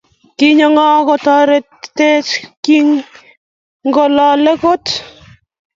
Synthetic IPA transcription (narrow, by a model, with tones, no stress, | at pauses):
ki˦ɲɔ˨ŋɔ˦kɔ˨tɔ˦ɾe˨tte˦t͡ʃki˦ŋ | ŋɡɔ˨lɔ˨lɛ˦ko˦t